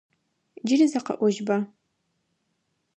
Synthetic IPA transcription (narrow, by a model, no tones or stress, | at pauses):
d͡ʒɪɾizɐqɐ̰ʔʷɔʒbɐ